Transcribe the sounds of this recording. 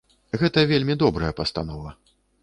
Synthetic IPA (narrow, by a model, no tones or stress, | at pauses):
ɣɛt̪ɐvʲelʲmʲid̪ɔbɾɐjɐpɐst̪a̰nɔvɐ